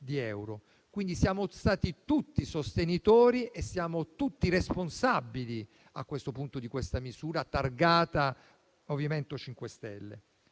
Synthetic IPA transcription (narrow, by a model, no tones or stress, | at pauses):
d̪iɛwɾo | kwind̪isjaːmost̪aːt̪it̪ut̪ːisost̪enit̪oːɾiesːjaːmot̪ut̪ːiresponsabːili | a̰kːwest̪opunt̪od̪ikwest̪amizuːɾat̪arɡaːt̪a | ovjament̪ot͡ʃiŋkwest̪ɛlːḛ